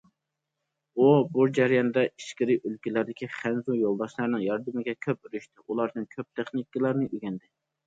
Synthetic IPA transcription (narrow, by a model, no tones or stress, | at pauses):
ubud͡ʒæɾijɑnd̪ɛiʃkʲɪɾiʔølkʲilæɾd̪ɪkʲʰiχænzujolˠd̪ɑʃlˠɑɾnɨŋjɑɾd̪ɨmɪɡʲɛkʲʰøp̚yɾyʃt̪ɪʔulˠɑɾd̪ɨnkʲʰøp̚t̪ʰeχnɪkːəlˠɑɾnɨʔyɡʲɛnd̪ɪ